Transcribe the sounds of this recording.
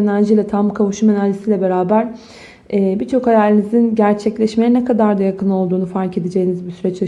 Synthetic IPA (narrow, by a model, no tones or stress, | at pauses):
enæɾʒilʲɛt̪ʰamkʰavuʃume̞næɾd͡ʒisiːlʲɛbe̞ɾaːbæɾ̥ | ɛːbit͡ʃʰo̞khajalʲinizinɟæɾt͡ʃʰɛclʲɛʃmejɛnekʰad̪aɾd̪ajakʰɯno̞lˠd̪uːnufaɾce̞d̪ed͡ʒe̞jinizbisyɾɛt͡ʃa